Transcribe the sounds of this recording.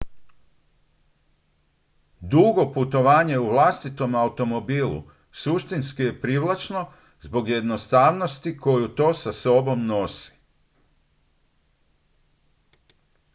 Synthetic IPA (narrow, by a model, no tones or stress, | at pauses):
d̪uɡo̞put̪o̞ʋaːɲe̞uʋlˠast̪it̪o̞maut̪o̞mo̞biːlṵ | suʃt̪inskije̞pɾiʋlˠat͡ʃno̞ | zbo̞ɡje̞d̪no̞st̪aːʋno̞st̪iko̞jut̪o̞ːsaso̞bo̞mno̞si̥